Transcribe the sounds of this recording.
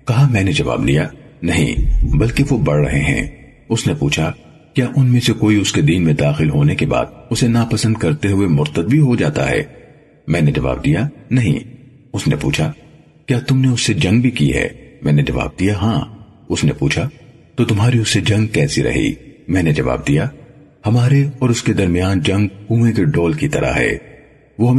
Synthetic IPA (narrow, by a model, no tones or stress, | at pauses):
kɐɦamɛ̃ːned͡ʒɐʋa̰ːbd̪lijanɐɦḭ̃bɐlkeʋobɐɽɾɐ̰ɦeɦɛ̰̃ː | ʊsnepṵːt͡ʃʰa | kjaːʔʊnmẽsekoːiʊsked̪iːnmẽd̪aːxɪlɦoːnekeba̰ːd̪ʊsenapɐsə̃nd̪̚kɐɾt̪eɦʊemʊɾt̪əd̪̚bʱiɦod͡ʒaːt̪a̰ɦɛ̰ː | mɛ̃ːned͡ʒɐʋa̰ːb̚d̪ijanɐɦḭ̃ | ʊsnepṵːt͡ʃʰa | kjaːt̪ʊmneʊsːed͡ʒɐ̃ŋɡ̚bʱikiɦɛ̰ːmɛ̃ːned͡ʒɐʋa̰ːb̚d̪ijaɦãː | ʊsnḛpuːt͡ʃʰa | t̪ot̪ʊmɦaːɾiʊsːed͡ʒɐ̃ŋɡ̚kɛːsiɾʔɐ̰ɦḭmɛ̃ːned͡ʒɐʋa̰ːb̚d̪ija | hɐmaːɾeɔːɾʊsked̪ɐɾmijaːnd͡ʒɐ̃ŋɡ̚kuːmẽkeɖɔːlkit̪ɐ̰ɾa̰ɦɛ̰ː | ʋoɦɐm